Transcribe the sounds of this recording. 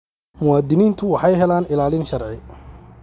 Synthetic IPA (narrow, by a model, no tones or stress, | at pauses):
mʊwaːd̪ɪniːnt̪ʰʊwɑħɑjɦɛlaːnɪlaːlɪnʃɐrʕɪ